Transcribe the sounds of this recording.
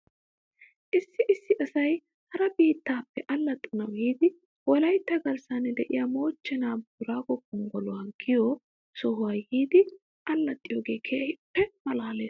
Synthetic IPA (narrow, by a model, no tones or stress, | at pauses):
ʔɪsːɪʔɪsːɪʔɐsɐj | hɐɾɐbiːt̪ːaːpːɛʔɐlːɐt̪ʼːɐnɐwjiːd̪ɪ | wɔlɐjt̪ːɐɡɐɾsanːɛd̪ɛʔɪ̰jaːmo̞ːt͡ʃːɛnaːbuʊɾaːɡɔkʼːɔŋɡɔlʊwɐŋkːɪjɔ | sɔhʊwaːjiːd̪ɪ | ʔɐlːɐt̪ʼːɪjoːɡe̞ːkʰeːhɪpːɛmɐlaːɐleːs